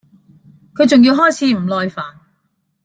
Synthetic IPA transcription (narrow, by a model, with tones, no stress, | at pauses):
kʰɵ˨˧ɥt͡sʊ˨ŋjiː˧wɦɔː˥˩jt͡sʰiː˨˧m̩˨˩lɔː˧jfaː˨˩n